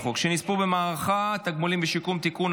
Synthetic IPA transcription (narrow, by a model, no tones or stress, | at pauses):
χukʃenispubemaːʁaχat̪aɡmulimbeʃikumt̪ikun